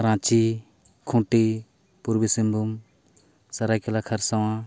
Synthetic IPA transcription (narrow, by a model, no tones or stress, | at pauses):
ɾãːt͡ʃi | kʰũːʈi | puɾbisimbʱum | sɐɾajkelakʰɐɾsɐwã